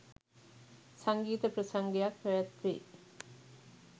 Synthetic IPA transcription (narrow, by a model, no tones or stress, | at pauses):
saŋɡiːt̪əprəsaŋɡejakʋæʋæt̪ʋḛ